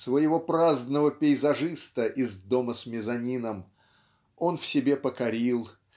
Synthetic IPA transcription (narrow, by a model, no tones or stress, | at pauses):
svəjɪvo̞pɾaznəvəpʲɪɪzɐʐɨst̪əʔɪzd̪o̞məsmʲɪzɐnʲinəm | o̞nfsʲɪbʲe̞pəkɐɾʲilˠ